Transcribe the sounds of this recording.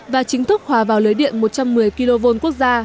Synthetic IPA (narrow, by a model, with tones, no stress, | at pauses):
vaː˨˩t͡ɕï˨˦ŋ̟t̪ʰɨ˦˥k̚hwaː˨˩vaː˨˩wlɨ˨˦jɗḭ˧˨ənmo˨˩t̚t͡ɕa˧mːɨ˨˩əjki˧lo˧vo˧nku˦˥ək̚zaː˧